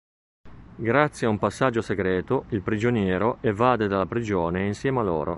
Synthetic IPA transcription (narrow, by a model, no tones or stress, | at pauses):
ɡɾat̪sːjaumpasːad͡ʒːoseɡɾɛːt̪oilpɾid͡ʒonjɛːɾoʔevːaːd̪ed̪alapɾid͡ʒoːneinsjɛːmalo̰ːɾo̰